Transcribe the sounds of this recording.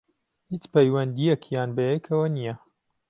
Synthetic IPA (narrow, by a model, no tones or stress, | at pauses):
hiːt͡ʃpɐjwɐnd̪ijɛkʰjaːnbɐjekʰɐwɐnijɐ